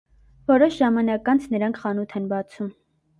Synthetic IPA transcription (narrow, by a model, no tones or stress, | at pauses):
vɔɾɔʃʒɑmɑnɑkɑnt͡sʰnəɾɑŋkʰχɑnut̪ʰɛnbɑt͡sʰum